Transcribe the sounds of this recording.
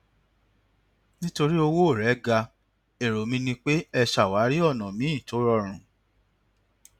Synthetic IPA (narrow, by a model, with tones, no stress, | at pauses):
nĩ˦to˧ɾi˦o˧wo˦o˦˨ɾɛ˨˦ɡa˧ | e˨ɾo˨mĩ˧nĩ˧k͡pe˦ɛ˧ʃa˨wa˨˦ɾi˦ɔ˦˨nɔ̃˨mĩ˨˦ĩ˦˨to˨˦ɾɔ˦˨ɾ̃ũ˨